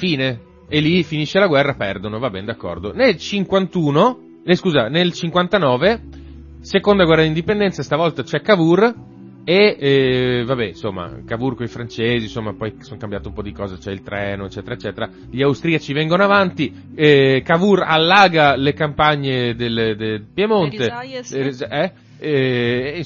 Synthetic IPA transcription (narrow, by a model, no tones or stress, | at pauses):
fiːne | elːifiniʃːelaɡwɛrːapɛrd̪onovabːɛned̪akːɔ̰rd̪onelt͡ʃiŋkwant̪uːno | neskuːzanelt͡ʃiŋkwant̪anɔːve | sekond̪aɡwɛrːad̪ind̪ipend̪ɛnt̪sast̪avɔlt̪at͡ʃɛkːavur | e | vabɛnsomːa̰kavurkoifɾant͡ʃeːzinsomːapɔjsoŋkambjaːt̪eumpɔd̪ikɔːzat͡ʃɛilt̪ɾɛːnoet͡ʃːɛːt̪eɾaet͡ʃːɛːt̪eɾa | ʎiawst̪ɾiat͡ʃivɛŋɡonoavant̪i | ɛkavura̰lːaːɡalekampaɲːed̪eled̪epjemone | ɛ